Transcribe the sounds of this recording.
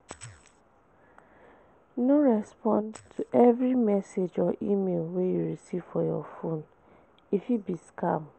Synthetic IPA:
noɹɛspɔ̃ntʰuʔɛvɹimɛsed͡ʒɔʔimelwejuɹisiv̥fɔjɔ̰fõn | ifjubiskam

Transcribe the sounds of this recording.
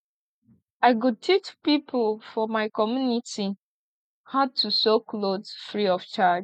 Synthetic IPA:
aɪɡud̚tʰit͡ʃpipʊlfɔmaɪkɔmjuniti | had̚tusoklozfɹiɔft͡ʃad͡ʒ

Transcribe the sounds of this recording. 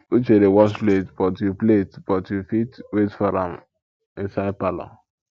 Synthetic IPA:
ut͡ʃeɾewɔsletb̥ɔtjupletb̥ɔtjufitwetfɔɾãm | isaɪpalɔ̰

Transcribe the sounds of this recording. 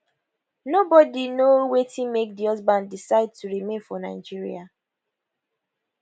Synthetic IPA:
nobɔdinowetʰĩnmek̚diɔzbãndisaɪd̚tuɹimẽnfɔnaɪd͡ʒiɹia

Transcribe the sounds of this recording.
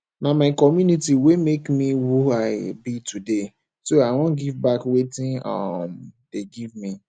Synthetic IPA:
namaɪkɔmjunitiwemekmiwuaɪbitʰude | soawɔ̃ɡivbakwetĩnɔ̰md̥eɡivmi

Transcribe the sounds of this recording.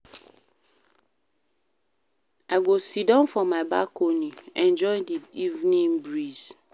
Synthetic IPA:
aɪɡʷosidɔ̃nfɔmaɪba̰konuɛ̃nd͡ʒɔɪ̃ndiivnĩnbɹiz̥

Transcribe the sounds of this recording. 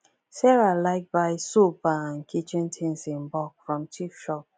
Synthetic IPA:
sɛɾalaɪk̚baɪsopaŋ̩kʰit͡ʃĩntʰĩnsĩmbɔkfɹɔ̃mtʰifʃɔp̚

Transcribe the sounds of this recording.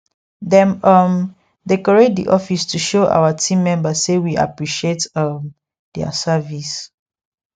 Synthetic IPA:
dɛ̃nʌm | dekɔɹedḭʔɔfistʰuʃoʔa̰watʰĩmːɛ̃mbassewia̰pɹiʃietʌm | dɛa̰savis

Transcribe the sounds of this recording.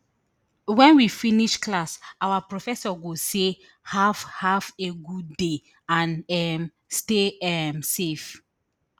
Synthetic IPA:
wɛ̃nwifiniʃklasawapɹɔfɛsɔɡose | havhaveɡudːe | ãnɛm | steɛmsef

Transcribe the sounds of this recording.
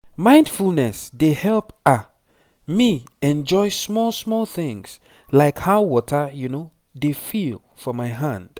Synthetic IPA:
mãɪ̃nd̥fulˠnɛsdehɛlˠpa | miɛ̃nd͡ʒɔɪsmɔlˠsmɔlˠθɪ̃ŋs | laɪkhaʊwɔtʰəjuno | defil | fɔmaɪɦãnd̥

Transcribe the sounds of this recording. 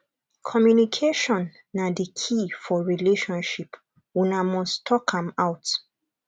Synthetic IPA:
kʰɔmjunikʰeʃɔ̃nː | adekʰifɔɹileʃɔ̃nʃip | wũnamɔstʰɔkʰãmawt

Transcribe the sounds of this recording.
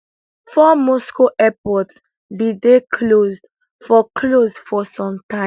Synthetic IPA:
fɔmɔskoʔɛpɔts | bidekʰlozd | fɔkʰlosfɔsɔ̃mtã

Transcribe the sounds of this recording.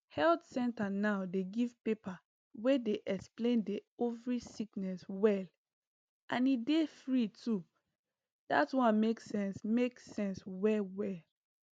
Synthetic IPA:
hɛltsɛ̃ntanaʊdeɡiv̥pepa | wedeʔɛksplẽndeovɹisiknɛswɛl | ʔãnidefɹitʰu | d̥atwɔ̃nmeksɛ̃nsmeksɛ̃nswɛlwɛl

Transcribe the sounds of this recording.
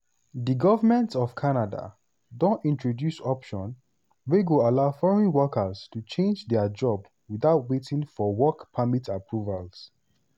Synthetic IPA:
diɡɔvəmɛ̃ntɔvkʰanada̰ | dõntĩntɹɔdjusɔpʃɔ̃n | weɡoalaʊfɔɹɔ̃nwɔkəstut͡ʃẽnd͡ʒdɛəd͡ʒɔb | wiðaʊtwetĩŋfɔwɔkpʰamitapʰɹuvals

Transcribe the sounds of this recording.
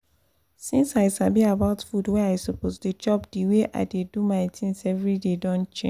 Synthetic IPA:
sĩnsaɪsabiabaʊtfudwɛaɪsoposded͡ʒɔpdiweʔa̰ɪdedumaɪtʰĩnsɛvɹidedɔ̃nt͡ʃḛ̃

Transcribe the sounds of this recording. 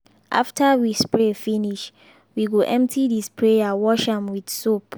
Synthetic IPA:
ʔa̰ftʰəwispɹefiniʃ | wiɡuʔɛ̃mp̚tʰidispʰɹeawɔʃãmwid̥sop

